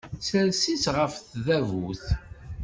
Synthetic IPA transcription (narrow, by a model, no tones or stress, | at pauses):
səɾsisʁəfθðævuθ